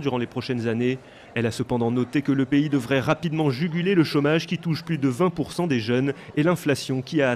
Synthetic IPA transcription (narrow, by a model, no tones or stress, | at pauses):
d̪yʁɑ̃lepχɔʃɛnzane | ɛlasəpɑ̃d̪ɑ̃nɔt̪ekələpeid̪əvʁɛʁapid̪mɑ̃ʒyɡʲyleləʃomaʒkʲit̪uʃplyd̪əvɛ̃puʁsɑ̃d̪eʒœnelɛ̃flasjɔ̃kʲiaː